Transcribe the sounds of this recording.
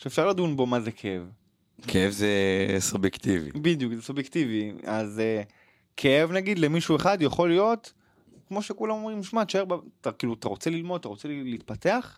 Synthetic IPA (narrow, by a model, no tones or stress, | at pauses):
ʃeːfʃaʁlad̪unbo̞mazekʰeev | kʰeevzesubjekt̪ivḭbid̪ijukzesubjekt̪iviaze | kʰeevnaɡid̪lemiʃueχad̪jaχo̞lijo̞t̪ | kmo̞ʃekulamo̞mʁimʃmaʃaebatakiːluat̪aʁot͡selilmod̪̚at̪aʁo̞t͡seliːt̪̚pate̞aχ